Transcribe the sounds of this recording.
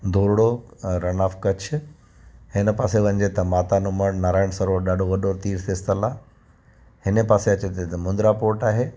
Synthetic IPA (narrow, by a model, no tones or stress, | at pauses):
d̪ʱoːɾɽoɾɐnaːfkɐt͡ɕʰ | hɪnə̆paːseʋɐ̃ɲd͡ʑet̪ɐmaːt̪anʊməɽnaːɾaːɪɽ̃sɐɾoːɽɗaːɖʱoʋɐɗʱoːɾt̪iːɾseɪst̪əla | hɪnə̆paːseɐt͡ɕet̪et̪ɐmʊ̃nd̪ɾapoːɾʈaːɦeː